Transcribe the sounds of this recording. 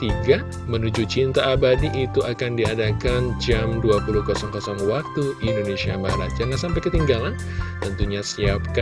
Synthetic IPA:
t̪iɡa | mənud͡ʒut͡ʃint̪aːbadiʔːt̪uakandiadakand͡ʒamduapuluhkɔsɔŋkɔsɔŋwak̚t̪uindonesia̰maaɾa̰t̪̚d͡ʒaŋansampajkət̪iŋɡalan | t̪ənt̪uɲasiap̚ka

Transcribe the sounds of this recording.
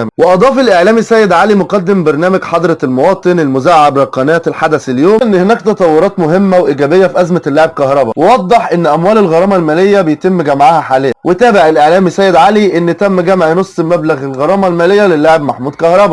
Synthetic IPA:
mweʔɑd̪ˤɑːfelʔeʕlæːmisæːjed̪ʕalimoqɑd̪ːembɑɾˤnæːmæɡħɑd̪ˤɾˤɑlmowɑːt̪ˤɨnelmʊzaːʕabɾˤɑqːɑnæːt̪elħad̪æseljoːmnːhenæːkt̪ɑt̪ˤɑwːoɾɑːt̪mʊɦemːæwʔiɡæːbejːæfiʔæzmælːaʕeb̚kɑhɾˤɑbɑwewɑd̪ˤːeħʔenːʔæmwæːlelɣɑɾˤɑːmɑlmæːlejːæbejt̪emːɡæmʕahæħaːlejːæwʔet̪æːbeʕɪlʔeʕlæːmisæːjed̪ʕaliʔenːt̪æmːɡæmʕnosˤːmæblæɣelɣɑɾˤɑːmælmæːlejːælelːaʕebmaħmuːd̪̚kɑhɾˤɑbɑ

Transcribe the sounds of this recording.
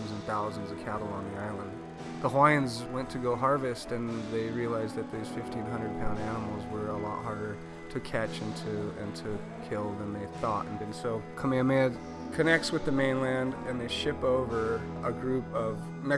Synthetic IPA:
nzɨ̃n̩θaʊz̃n̩zʌv̥kʰæɾl̩ˠə̃nðiaɪlˠə̃nd | ðəɦaɪɨ̃nzwɛ̃ntʰɨɡoʊɦɑɹvɨstɨ̃nðeɪɹiəlaɪzðɨt̪̚ðoz̥fɪftʰĩnɦʌ̃ndɹəd̚pʰãʊ̃ndænəm̩l̩ˠzwə˞əlɔ̰ʔ̚ɦɑɹɾə˞ | ɾɨkʰæt͡ʃɪ̃ntʰʉɨ̰̃ntʰɨ | kʰɪlˠðə̃nðeɪθɔɾɨ̃n̩bɨ̃nsoʊkʰəmæ̃nmɛd | kʰɨnɛk̚tswɨðɨmẽɪ̃nlæ̃ndɨ̃nðeɪʃɪpoʊvə˞ | əɡɹʉpʌv | mɛ

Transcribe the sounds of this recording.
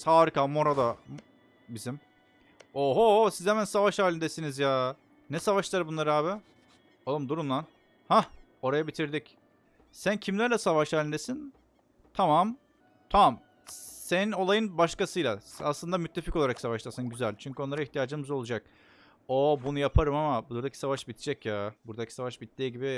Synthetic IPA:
saːɾɯkamoɾad̪a | bizim | oɦosizhɛmænsavaʃaːlʲind̪esinizjaː | nɛsavaʃlˠaɾɯbunlˠaɾɯhaːβɪ | olˠɯmd̪uɾunlˠan | ha | o̞ɾajabit̪ʰiɾd̪ic | sæncʰimlʲæɾlʲɛsavaʃaːlʲind̪esin | t̪ʰamam | t̪ʰam | senino̞lˠajɯnbaʃkasɯjlˠaaslˠɯnd̪amyt̪ʰːe̞fikoaɾaksavaʃlˠaɾsɯnɟyzælʲt͡ʃʰyɲcyonˠaɾaiçt̪ijaːd͡ʒɯmɯzolˠud͡ʒak̚ | obunujapʰaɾɯmamabuɾd̪akcʰi̥savaʃbit̪ʰi̥d͡ʒɛcjaːbuɾd̪acʰi̥savaʃbit̪d̪iːɟibi

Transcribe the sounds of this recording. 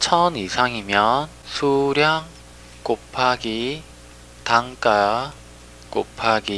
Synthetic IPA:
t͡ɕʰʌnisʰaŋimjʌn | sʰuɾjaŋ | k͈opʰaɡi | taŋk͈a | kopʰaɡi

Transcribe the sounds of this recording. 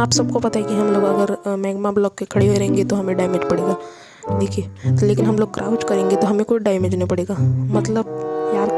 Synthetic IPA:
aːpsɐb̚kopɐt̪aɦekiɦɐmloːɡɐɡəɾmɛːɡmablɔːkːekʰɐɽeɦoeɾɐɦẽːŋɡet̪oɦɐmẽɖaːɪmeːd͡ʒpɐɽeːɡaː | deːkʰiet̪leːkɪnɦɐmloːɡ̚kɾʔaːʊt͡ʃkɐɾẽːŋɡet̪oɦɐmẽkoiɖaːɪmeːd͡ʒnepɐɽeːɡaːmɐt̪ləbjaːɾ

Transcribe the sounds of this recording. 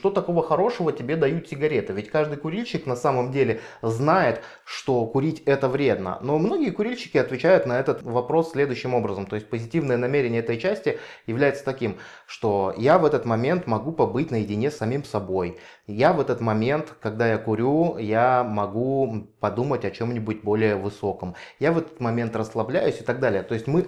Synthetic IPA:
t̪ot̪ɐko̞vəxɐɾo̞ʂəvətʲɪbʲe̞d̪ɐjut̪sʲɪɡɐɾʲe̞t̪ɨvʲɪtʲkaʐd̪ɨjkʊɾʲilʲɕːɪknɐsaməmdʲelʲɪznajɪt̪ | ʂt̪o̞kʊɾʲitʲɛt̪əvɾʲe̞d̪nə̰no̞mno̞ɡʲɪjəkʊɾʲilʲɕːɪ̥kʲɪɐt̪vʲɪt͡ɕæjʊt̪nɐɛt̪ət̪vɐpɾo̞sːʲlʲe̞d̪ʊjɕːɪmo̞bɾəzəmt̪o̞jɪsʲt̚ʲpəzʲɪtʲivnəjənɐmʲeɾʲɪnʲɪəɛt̪əjt͡ɕæsʲtʲɪjɪvlʲæjɪt̪sə̥t̪ɐkʲim | ʂt̪o̞javɛt̪ət̪mɐmʲe̞nt̪mɐɡupɐbɨtʲnəjɪdʲɪnʲe̞sɐmʲimsɐbo̞j | javɛt̪ət̪mɐmʲe̞nt̪kɐɡ̚d̪ajakʊɾʲujamɐɡupɐd̪umətʲɐt͡ɕo̞mnʲɪbʊtʲbolʲɪjəvɨso̞kəmjavɛt̪ə̥t̪mɐmʲe̞nt̪rəslˠɐblʲæjʊsʲɪ̥t̪ɐɡ̚d̪alʲɪjət̪o̞ɪsʲtʲmɨ

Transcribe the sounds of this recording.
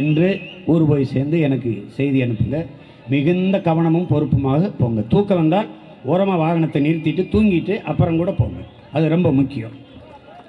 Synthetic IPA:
ɛndrɯɔɾɯpoːjseːɾnd̪ɯɛnɐkːɯsɛjðiɛɳɯpːɯŋɡɐ | mɪɣɯnd̪ɐkɐʋɐɳɐmɯmpɔɾɯpːɯmaːɣɐpoːŋɡɐt̪uːkːɐʋɐnd̪aː | ɔːɾɐmaːʋaːɾɐɳɐt̪ːɐnɪɾt̪ːɪʈːɯt̪uːŋɡɪʈːɯʔɐpːɐɾɐmkuːɽɐpoːŋɡɐ̰ | ɐðɯɾɔmbɐmʊkːɪjɐ̰̃

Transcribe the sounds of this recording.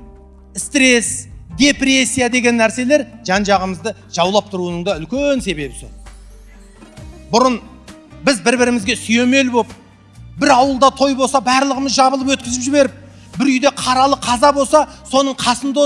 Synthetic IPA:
st̪ɾe̞sd̪e̞pɾe̞sʲːijad̪e̞ɡʲe̞nːæɾse̞le̞ɾʒ̥ɑnʒɑʁəməzd̪ə | ʒ̥ɑwlˠɑp̚t̪ʰʊɾuənəɴd̪ɑʏlkʲense̞be̞bɪsɪ | bʊɾən | bɪzbɪɾbɪɾɪmɪzɡʲe̞sʏje̞me̞lbop̚ | bɪɾɑwəlˠd̪ɑt̪ʰo̞jbo̞lˠsɑbæɾlˠəʁəməzʒɑbəlˠəp̬wɵt̪̚kʲɪzɪpʒɪbe̞ɾɪp̚ | bɪɾʏjd̪e̞qʰɑɾɑlˠəqʰɑzɑbo̞lˠsɑso̞nəɴqʰɑsənd̪o

